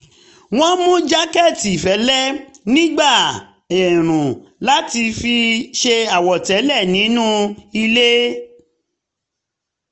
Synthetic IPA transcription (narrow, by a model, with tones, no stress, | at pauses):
w̃ɔ̃˦mũ˦d͡ʒa˦kɛ˦˨ti˨fɛ˨˦lɛ˦˨nĩ˦ɡ͡ba˦˨ | ɛ˨ɾ̃ũ˨la˨˦ti˧fi˧ʃe˧a˨wɔ˨tɛ˨˦lɛ˦˨nĩ˨˦nũ˦i˧le˦